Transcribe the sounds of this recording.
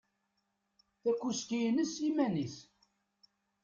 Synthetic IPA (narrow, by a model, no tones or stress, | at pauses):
θækʷːuskijnəsimænis